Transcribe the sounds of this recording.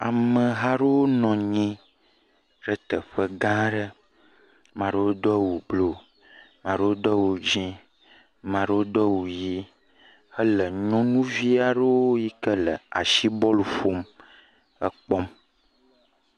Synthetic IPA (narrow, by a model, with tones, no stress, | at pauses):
a̰˨mə˨ɦa˦ɖo˦wo˦nɔ̃˨ɲɛ̃˦ | ɖə˦t̪ə˨ɸə˦ɡã˦ɖə˦ | mã˨ɖo˦wo˦d̪ɔ˦wo˨blo˨ | mã˨ɖə˦wo˦d̪ɔ˦wo˨d͡ʒĩ˦ | mã˨ɖə˦wo˦d̪ɔ˦wo˨ji˦ | ə˦lə˨ɲɔ̃˦nũ˦vi˦a˨ɖə˦wo˦ji˦kə˦lə̰˨a̰˨ʃi˦bɔ˦lfo˦m | ə˦k͡pɔ˦m